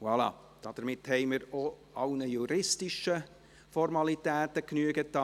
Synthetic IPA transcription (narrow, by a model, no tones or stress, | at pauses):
wɑlɑ̰ | d̥ɑd̪̥əɾmɪthɛɪməɾo | ɑʊnəjuɾɪstɪʃə | fɔrmɑlitɛːtəknyəɡət̪ɑ